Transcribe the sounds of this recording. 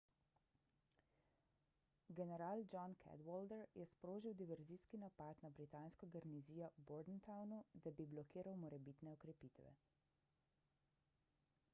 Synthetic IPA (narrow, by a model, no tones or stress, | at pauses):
ɡɛnɛɾaːld͡ʒɔnkʰɛ̰d̪wɔld̪ɛɾjɛspɾoːʒiwd̪iʋɛɾziːskinapat̪nabɾit̪aːnskɔɡɛɾniziːjɔbɔɾd̪nt̪awnud̪abiblɔkiːɾawmɔɾɛbiːt̪nɛɔkɾɛpiːt̪ʋɛ̰